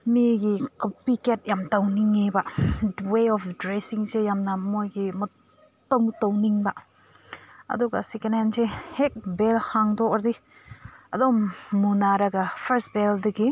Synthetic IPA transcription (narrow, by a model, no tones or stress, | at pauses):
miɡikpiket̚jamtawniŋːebaweɔpdɾesiŋsejamnɐmojɡimɐ | tɔŋtowniŋba | ɐ̰d̪uɡa̰sekenensehek̚belhaŋdɔɔɾdi | ɐdomːunaɾaɡapʰəɾstbeldɐɡi